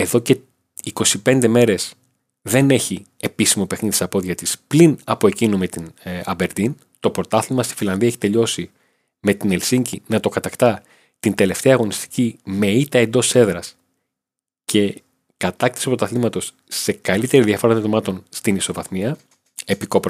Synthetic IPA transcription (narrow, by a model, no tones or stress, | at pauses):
e̞ðo̞ce̞ | iko̞sipe̞nd̪e̞me̞ɾe̞s | ðe̞ne̞çi | e̞pisimo̞pe̞xniðt̪isɐpo̞ðʝɐt̪isplinɐpo̞e̞cinume̞t̪inɐ̰be̞ɾd̪in | t̪o̞pɾo̞t̪ɐθlimɐst̪i̥filɐnðiɐeçi̥t̪e̞ʎo̞si | me̞t̪ine̞lsiɲɟinɐt̪o̞kɐt̪ɐkt̪ɐ | t̪ind̪e̞le̞ft̪e̞ɐːɣo̞nist̪i̥cime̞it̪ɐe̞nd̪o̞se̞ðɾɐs | cʰe̞ | kɐt̪ɐk̚t̪i̥sopɾot̪ɐθlimɐt̪o̞sː | e̞kɐlit̪e̞ɾiðiɐfo̞ɾɐt̪ot̪omɐt̪o̞nst̪iniso̞vɐθmiɐ | e̞piko̞pɾ